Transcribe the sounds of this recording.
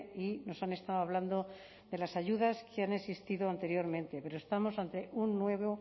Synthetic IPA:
ino̞sane̞st̪aoaβ̞land̪o̞ | d̪e̞lasaʝuðaskeane̞sist̪iðoant̪e̞ɾjo̞ɾmẽnt̪e̞pe̞ɾoest̪amo̞sant̪e̞ʔunːwe̞βo

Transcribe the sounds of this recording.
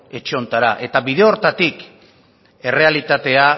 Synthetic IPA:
e̞t͡ʃeo̞nt̪aɾaʔe̞t̪aβiðe̞o̞ɾt̪at̪ik | e̞re̞alit̪at̪e̞a

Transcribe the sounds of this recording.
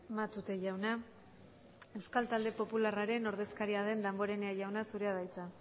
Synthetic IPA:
mat̪ut̪e̞ʝawna | e̞wskalt̪ald̪e̞po̞pularaɾe̞no̞ɾðe̞skaɾiaðe̞nd̪ambo̞ɾe̞neaʝawnasuɾe̞að̞ajt͡sa

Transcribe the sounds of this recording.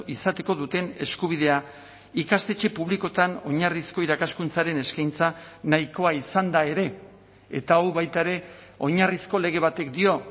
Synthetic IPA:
isat̪e̞ko̞ðut̪e̞ne̞skuβ̞iðe̞a | ikast̪e̞t͡ʃe̞puβ̞liko̞t̪ano̞ɲarisko̞iɾakaskunt͡saɾe̞ne̞skajnt͡sanajko̞aisand̪ae̞ɾe̞ | ḛt̪aoβajt̪aeɾe̞ | o̞ɲarisko̞le̞ɣ̞e̞βat̪e̞kd̪io̞

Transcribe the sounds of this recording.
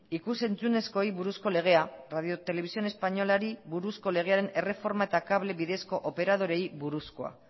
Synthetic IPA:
ikuse̞nt͡sune̞sko̞jβuɾusko̞le̞ɣ̞e̞araðio̞t̪e̞le̞βisio̞ne̞spaɲo̞laɾiβuɾusko̞le̞ɣ̞e̞aɾe̞ne̞re̞fo̞ɾmae̞t̪akaβle̞βiðe̞sko̞ʔope̞ɾað̞o̞ɾe̞jβuɾusko̞a̰

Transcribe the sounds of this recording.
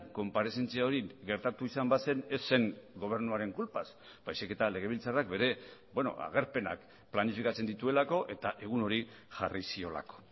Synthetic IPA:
ko̞mpaɾe̞se̞nt͡siaoɾiɣe̞ɾt̪at̪uisambase̞ne̞sːe̞ŋɡo̞β̞e̞ɾnuaɾe̞ŋkulpaz | b̥ajsike̞t̪ale̞ɣ̞e̞β̞ilt͡sarakbe̞ɾe̞bwe̞no̞̰a̰ɣ̞e̞ɾpe̞na̰k | planifikat͡se̞nd̪it̪ue̞lako̞ʔe̞t̪aʔe̞ɣ̞uno̞ɾi | ʝarisio̞la̰ko̥

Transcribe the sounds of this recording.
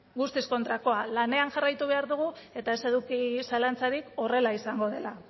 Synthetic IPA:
ɡust̪isko̞nt̪ɾako̞alane̞anʝarajt̪uβ̞e̞aɾðuɣue̞t̪aese̞ðukisalant͡saɾiko̞re̞laisaŋɡo̞ðe̞la

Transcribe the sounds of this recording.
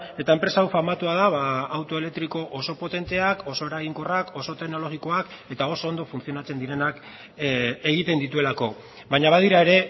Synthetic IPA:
e̞t̪ae̞mpɾe̞sawfaɾmat̪uað̞aβaːwt̪o̞e̞le̞k̚t̪ɾiko̞ʔoso̞po̞t̪e̞nt̪e̞ako̞so̞e̞ɾaɣiŋko̞rako̞so̞t̪e̞kno̞lo̞ɣiko̞ake̞t̪ao̞so̞ːnd̪o̞funt͡sio̞nat͡se̞nd̪iɾe̞nak | e̞ɣit̪e̞nd̪it̪ue̞lako̞ | βaɲaβ̞aðiɾae̞ɾe̞

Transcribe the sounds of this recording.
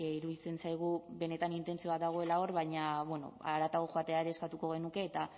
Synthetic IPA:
iɾuðit͡se̞nsajɣ̞ube̞ne̞t̪anint̪e̞nt͡sio̞at̪d̪aɣ̞o̞e̞lao̞ɾβaɲaβwe̞no̞̰a̰ɾat̪aɣoxoat̪e̞aeɾe̞ːskat̪uko̞ɣ̞e̞nuke̞ːt̪a

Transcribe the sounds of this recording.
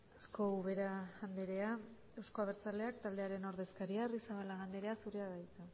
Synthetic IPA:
sko̞uβe̞ɾaand̪eɾe̞a | e̞wsko̞aβeɾt͡sale̞akt̪ald̪e̞aɾe̞no̞ɾð̞e̞skaɾiarisaβalaɣand̪eɾe̞asuɾe̞aðajt͡s̪a

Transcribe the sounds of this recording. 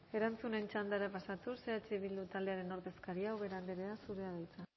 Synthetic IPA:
e̞ɾant͡sune̞nt͡ʃand̪aɾapasat̪use̞at͡ʃiβild̪ut̪ald̪eaɾe̞no̞ɾðe̞skaɾiawβe̞ɾand̪eɾeasuɾeaðajt͡sa

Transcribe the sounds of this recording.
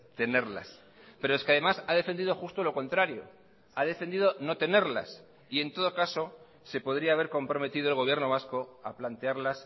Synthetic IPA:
t̪e̞ne̞ɾla̰s | pe̞ɾo̞e̞skeaðe̞masaðe̞fe̞nd̪iðo̞xust̪o̞lo̞ko̞nt̪ɾaɾjo̞̰ | að̞e̞fe̞nd̪iðo̞no̞t̪e̞ne̞ɾla̰s | ie̞nt̪o̞ð̞o̞kaso̞ | se̞po̞ðɾiaːβe̞ɾko̞mpɾo̞me̞t̪iðo̞elɣo̞β̞je̞ɾno̞βasko̞aplant̪e̞aɾlas

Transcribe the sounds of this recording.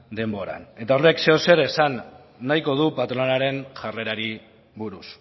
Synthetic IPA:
d̪e̞mbo̞ɾa̰ne̞t̪aorekseose̞ɾe̞sanː | ajko̞ð̞upat̪ɾonaɾe̞nʝare̞ɾaɾi | βuɾus

